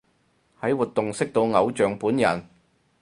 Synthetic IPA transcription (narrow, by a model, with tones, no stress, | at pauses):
hɐ˨˥jwuː˨t̪ːʊ˨ŋsɪ˥k̚t̪o˧wŋɐ˨˧wt͡ʃœː˨ŋpuː˨˥njɐ̰˨˩n